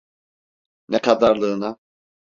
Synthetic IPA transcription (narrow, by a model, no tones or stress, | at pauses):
nɛkʰad̪aɾlˠɯːna